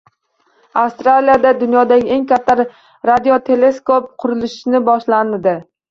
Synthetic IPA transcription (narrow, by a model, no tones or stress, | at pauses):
afst̪ɾalijad̪ad̪ʊnjɒd̪aɡʲɪe̞ŋkʲʰat̪ʰːaɾ | ɾad̪ijot̪ʰe̞le̞skop̚qʰʊɾɪlɪʃnɪbɒʃlanɪd̪ɪ